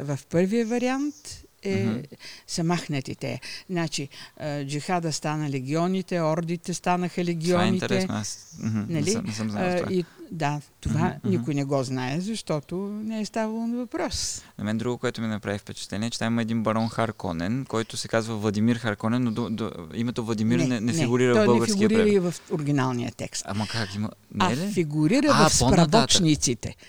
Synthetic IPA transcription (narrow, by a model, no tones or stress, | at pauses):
vɐfpɤɾvijəvɐɾiant̪ɛ | zɐmaxnət̪ḭt̪ɛ̰znat͡ʃiəd͡ʒixad̪əst̪anəlɛɡʲiɔnit̪ɛɔɾd̪it̪ɛst̪anəxəlɛɡ̟ʲiɔaniit̪ɛtɛsn̰as̩nɐliɛsəmzna̰aid̪at̪ovanikʊjinɛɡɔznaɛzɐʃt̪ɔt̪onɛɛst̪avɐlˠonɐvɐpɾɔsnɐmɛnd̪ɾuɡokoɛt̪ʊminɐpɾavifpɛt͡ʃɛ̥t̪lɛniɛt͡ʃɛt̪amimɐɛd̪inbɐɾɔnxaɾkɔ̰nɛnkɔjt̪ʊsɛkazvəvlˠɐd̪imiɾxɐɾkɔnɛnːod̪od̪o̰imɛt̪ovlˠɐd̪imiɾnɛnɛnfɛiɡʊɾiɾəɔɔjəɛɡəɾfisɡiəɾiɾəivɐfʊɾɡ̟ʲinalˠnḭjə̰t̪ɛ̰kst̪amɐkakimɐ̰naɛlifiɡʊɾiɾəɐfsopɾɐbɔt͡ʃnit̪sit̪ɛ̰